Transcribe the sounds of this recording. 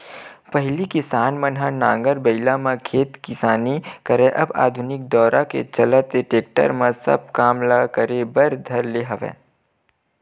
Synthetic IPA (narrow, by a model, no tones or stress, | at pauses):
pəɦlikɪsaːnmɐnɦanãːŋɡəɾbɐɪlamãkʰeːt̪kɪsaːnikəɾẽʔɐ̰ba̰ːd̪ʱʊnɪk̚d̪ɔːɾʔakḛt͡ʃɐlət̪eʈeːk̚ʈə̰ɾmãsɐ̰b̚kaːmlakəɾẽbɐɾd̪ʱɐɾleɦɐʋḛ̃ː